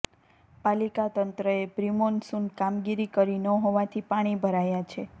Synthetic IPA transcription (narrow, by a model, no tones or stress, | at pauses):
palikat̪ənt̪ɾəepɾimonsunkamɡiɾikəɾinəɦoʋat̪ʰipaɽ̃ibʱəɾajat͡ʃʰe